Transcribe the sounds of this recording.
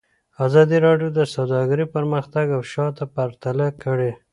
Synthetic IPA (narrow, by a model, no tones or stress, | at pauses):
azɑd̪iɾɑɖjod̪əsawd̪ɑɡəɾipəɾməxt̪aɡawʃɑt̪apaɾt̪alakəɽe